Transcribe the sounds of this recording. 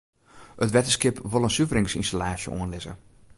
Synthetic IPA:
ətʋɛtəskɪpʋolˠənsyvəɾɪŋsḭnstalaːsjə̰ʔo̰ənlɪzə̰

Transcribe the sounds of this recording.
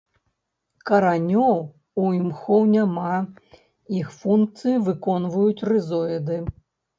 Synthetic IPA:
kɐɾanʲɔw | uimxɔwnʲama | ixfunk̚t̪sɨjivɨkɔnvujut͡sʲrɨzɔɛd̪ɨ

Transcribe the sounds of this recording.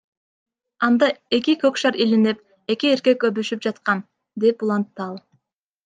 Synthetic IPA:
ɑnd̪ɑe̞kikøkʃɑɾilinip̚ | e̞kie̞ɾke̞købyʃyp̚d͡ʒɑt̪qɑn | d̪e̞pulˠɑnt̪ːɯɑlˠ

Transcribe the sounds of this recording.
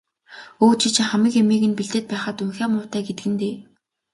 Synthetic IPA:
oːt͡ɕʰĭt͡ɕ̆χæmɘ̆kemiːɣɘ̆npiɮt̪eːt̪̚pæːχaːt̪uŋxæːmʊːt̪æːɡet̪ɘ̆ɡɘ̆nt̪eː

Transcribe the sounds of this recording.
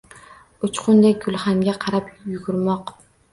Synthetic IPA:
ut͡ʃqʰʊnd̪ɛk̚ʲɡʲylˠχæŋɡʲɛqʰɑɾɑpjyɡʲyɾmɑq

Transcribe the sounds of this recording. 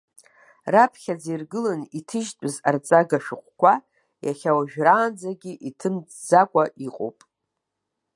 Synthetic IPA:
rapʰχʲad͡zirɡɨlɨnitʰɨʒtʼɨzart͡sʼaɡaʃᶣʊqʷʼkʷa | jaχʲawaʒᶣraːnd͡zaɡʲiʔitʰɨmd͡zakʷʼaʔiqʼo̰wpʼ

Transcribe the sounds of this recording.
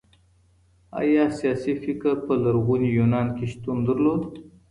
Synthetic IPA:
a̰jɑsijɑsifikəɾpəlaɾɣunijunɑnkeʃt̪und̪əɾlod̪

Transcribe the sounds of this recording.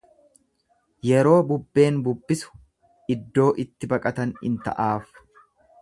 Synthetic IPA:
jɛɾo̞ːbʊbːe̞ːnbʊbːɪsʊ̥ | ɪd̪ːo̞ːʔɪt̪ːɪbɐkʼɐt̪ɐnɪ̰nt̪ɐ̰ʔaːf

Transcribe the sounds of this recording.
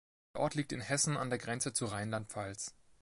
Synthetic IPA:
ʔɔɐtʰliːk̚tɪnhɛsn̩a̰ndeːɐɡʁɛnt͡sət͡suʁaɪnlantfals

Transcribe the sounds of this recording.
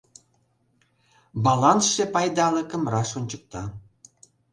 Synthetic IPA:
bɑlɑnsʃepɑjd̪ɑlə̆kə̆mrɑʃonʲt͡ɕək̚t̪ɑ

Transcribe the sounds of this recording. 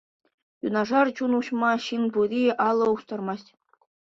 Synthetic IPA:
jṵnɑʐɑrt͡ɕunuɕmɑɕinbuɾʲiʔɑlˠːɤ̆ust̪ɑrmɑsʲtʲ

